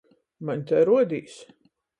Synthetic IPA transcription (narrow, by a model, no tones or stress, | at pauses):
maɲʲt̪ɛjɾuɔd̪ʲiːs